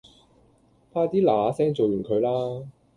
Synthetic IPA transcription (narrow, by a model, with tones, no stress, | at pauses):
pʰaː˧˥t̪iː˥laː˨˧sɛː˥ŋt͡so˨wjyː˨˩nkʰɵ˨˧ɥlaː˥